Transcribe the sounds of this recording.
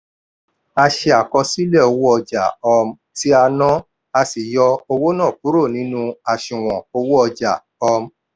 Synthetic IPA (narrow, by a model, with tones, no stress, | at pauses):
a˧ʃe˧a˨kɔ˧si˦lɛ˦˨o˧wo˦ɔ˧d͡ʒa̰˨ɔ˧m̩˦ti˦a˧nɔ̃˦ | a˧si˨jɔ˧o˧wo˦nã˦˨k̚u˨˦ɾo˦˨nĩ˨˦nũ˦a˨ʃĩ˨w̃ɔ̃˨o˧wo˦ɔ˧d͡ʒa˨ | ɔ˧m̩˦